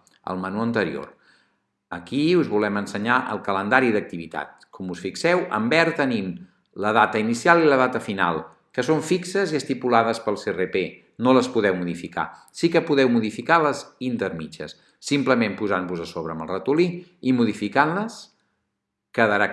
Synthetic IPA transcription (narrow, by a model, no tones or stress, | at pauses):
ə̰lˠmənuənt̪əɾḭo̰r | əkiuzβulɛmənsəɲaʔə̰lˠkələnd̪aɾiðək̚t̪iβit̪a̰t̪̚ | kʰɔmusfiksɛwə̰mbɛɾt̪ənim | ləðat̪əinisialˠiləðat̪əfina̰lˠ | kəsoɱfiksəziəst̪ipulaðəspəlˠserepe | noləspuðɛwmuðifika̰ | sikəpuðɛwmuðifikaləzint̪əɾmit͡ʃə̰sː | impləmempuzambuzəsoβɾəːməlˠrət̪uli | imuðifikanləs | kəðəɾa